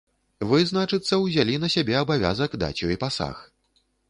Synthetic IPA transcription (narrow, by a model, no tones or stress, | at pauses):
vɨznat͡ʂɨt̪sːɐwzʲalʲinɐsʲabʲɛɐbavʲa̰zɐɡd̪a̰t͡sʲuipasa̰x